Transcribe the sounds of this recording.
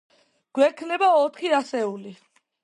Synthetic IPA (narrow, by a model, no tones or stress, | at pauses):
ɡ̥wɛkʰnɛbaɔt̪ʰχiasɛuli